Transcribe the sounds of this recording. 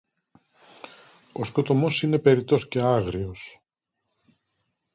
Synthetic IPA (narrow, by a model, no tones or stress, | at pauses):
o̞sko̞t̪o̞mo̞sine̞pe̞ɾit̪o̞sce̞ɐɣɾio̞s